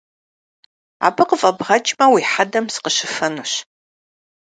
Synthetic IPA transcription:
a̰ːbɨqəfʼɐbʁɐt͡ʃʼmɐwiːħadɐmsɨ̥qəɕɪfɐnuɕ

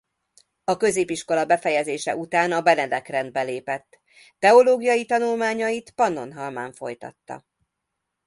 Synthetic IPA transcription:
ɒkø̞zeːpiʃko̞lɒbɛfɛjɛzeːʃɛ̰ʔut̪aːnɒbɛnɛd̪ɛkrɛnd̪̚bɛleːpɛt̪ː | ɛo̞loːɡijɒjit̪ɒnulmaːɲɒjit̪pɒno̞nɦɒlma̰ːɱfo̞jt̪ɒ̰t̪ːɒ̰

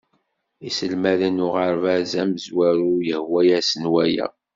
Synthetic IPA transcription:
isəlmæðənʊʁəɾvæzæməzwæɾujəhwæjæsənwæjæ̰

